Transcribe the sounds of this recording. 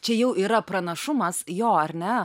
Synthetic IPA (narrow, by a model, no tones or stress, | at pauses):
t͡ʃʲɛjɛʊʔiːɾɐpɾɐnɐʃʊmɐsjoːɐɾʲnʲɛ